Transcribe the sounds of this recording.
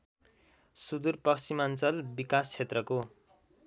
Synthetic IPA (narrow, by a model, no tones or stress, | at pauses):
sud̪urpʌksimant͡sʌlbikast͡sʰet̪rʌko